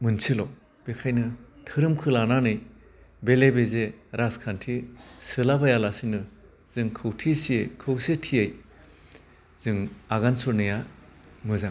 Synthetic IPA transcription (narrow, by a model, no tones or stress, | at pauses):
mɯnsʰilɔ | b̥ekʰajnɯtʰɯɾɯmkʰɯlananɯj | belebezeɾaskʰantʰisɯlabajalasinɯ | z̥ɯŋkʰɯwtʰisiejkʰɯwsetʰiej | z̥ɯŋaɡansuɾnɯja | mɯzaŋ